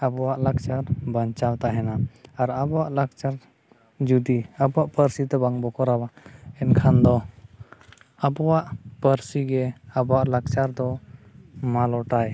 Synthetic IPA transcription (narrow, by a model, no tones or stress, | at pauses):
abɔwaʔlak̚t͡ʃaɾbəɲt͡ʃawt̪aɦɛnaːɾabɔwaʔlak̚t͡ʃaɾ | d͡ʒud̪iabɔwaʔpəɾsit̪ɛbaŋbɔkɔɾawaɛnkʰand̪ɔ | abɔwaʔpəɾsiɡɛabɔwaʔlak̚t͡ʃaɾd̪ɔ | malɔʈaj